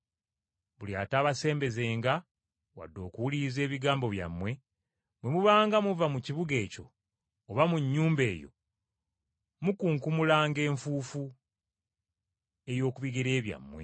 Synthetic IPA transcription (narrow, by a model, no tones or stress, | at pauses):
βulia̰ːtaːβase̞ːmbe̞ze̞ːŋɡa | wa̰dːo̞̰ːkuwulize̞ːβiɡaːmbo̞βja̰mːwe̞ | mwemuβaːŋɡamuvamuciβuɡe̞ːco̞ː | βamuɲːuːmbe̞ːjo̞̰ | mukuːŋkumulaːŋɡe̞ːɱfuːfu | e̞jo̞ːkuβiɡeɾe̞ːβja̰mːwe̞̰